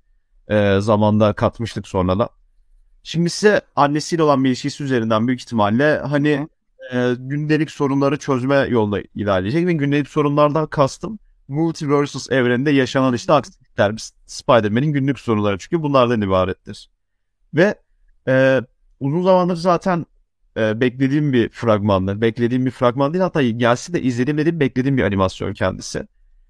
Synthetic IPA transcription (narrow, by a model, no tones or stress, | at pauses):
ɛːzamand̪akʰat̪mɯʃt̪ʰɯkso̞nɾad̪a̰ | ʃimd̪isisɛanːe̞silʲo̞lˠanmilʲiʃcisiyze̞ɾind̪ænbyjyci̥çt̪ʰimalːʲɛɦani | ɟynlʲe̞lʲicso̞ɾunlˠaɾɯt͡ʃʰø̞zmɛjo̞lˠnd̪a̰ḭlʲaːlʲed͡ʒɛcvɛɟynlʲe̞lʲicso̞ɾunlˠaɾd̪ankʰast̪ʰɯm | mulʲt̪ʰivøɾsɯlˠsɛvɾend̪ɛjaʃanad̪ˠɯʃt̪aaks | lʲæɾmiz̥ | spajd̪ɛɾme̞ninɟynlʲycʲso̞ɾunlˠaɾɯt͡ʃʰy̥ɲcʰybunlˠaɾd̪anibaːɾɛt̪ʰːiɾ̥ | vɛ | ɛː | uzunzamanlˠaɾɯzaːt̪ʰæn | ɛːbɛclʲe̞d̪iːmbifɾaɡmanlˠaɾbɛclʲe̞d̪iːmbifɾaɡmanˠilhat̪ːaːɟælʲsɛd̪ɛʔizlʲeimed̪iːmbɛclʲe̞d̪iːmbiʔa̰nimasjo̰ncʰɛ̰nd̪isɪ̰